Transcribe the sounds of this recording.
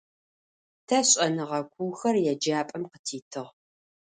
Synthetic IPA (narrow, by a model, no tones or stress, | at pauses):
tʰɐɕʼɐnɨʁɐkʷʰuːxɐrjɛd͡ʒaːpʼɐmqə̥tʰiːtʰɨʁ